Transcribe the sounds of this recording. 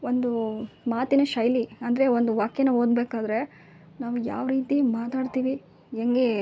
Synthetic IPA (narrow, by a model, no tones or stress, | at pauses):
o̞nd̪umaːt̪inɐʃɐjliɐnd̪ɾeond̪uʋaːkjenɐʋɦoːd̪beːkaːd̪ɾe̞ | naːʋuja̰ːʋɾiːt̪imaːt̪aːɖt̪iːʋi | eŋɡe